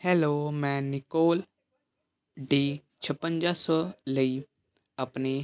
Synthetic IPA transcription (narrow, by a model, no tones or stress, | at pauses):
hɛːloːmɛ̃ːnɪkoːl | ɖiː | t͡ʃʰəpə̃nd͡ʒaːsɔləiː | əpne